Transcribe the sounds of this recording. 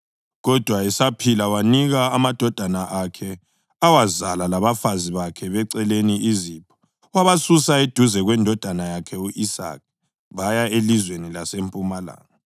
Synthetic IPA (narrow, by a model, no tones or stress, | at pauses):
ɣɔd̥ʱwaɛsapʰilawaniɣaːmad̥ʱɔd̥ʱanaʔakʰɛ | awazalalaβafaziβakʰɛβɛǀɛleniizipʰɔ̥ | waβasusaed̥ʱuzɛɣwɛndʱɔd̥ʱanajakʰɛuʔisa̰k̚ | βajaelizwenilasempʼumala̰ːŋa